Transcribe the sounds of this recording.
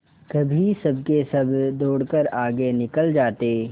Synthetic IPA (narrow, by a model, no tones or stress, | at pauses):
kɐbʱisɐb̚kesɐbd̪oːɽkəɾaːɡenɪkəld͡ʒaːt̪eː